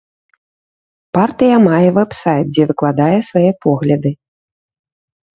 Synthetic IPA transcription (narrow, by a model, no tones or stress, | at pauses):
part̪ɨjɐmajɛvɛbsajt̪̚d͡zʲɛvɨklˠad̪ajɛsvajɛpɔɣlʲɐd̪ɨ